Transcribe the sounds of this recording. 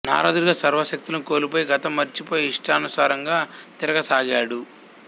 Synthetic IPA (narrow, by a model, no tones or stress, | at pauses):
na̰ːɾa̰ːd̪uɾɡaːsɐɾʋɐʃɐk̚t̪ulɐnuko̞ːlipoːjɡɐt̪ɐmːɐɾt͡ʃipoːjeiʂʈaːnusaːɾɐŋɡaːt̪iɾɐɡɐsaːɡaːɽu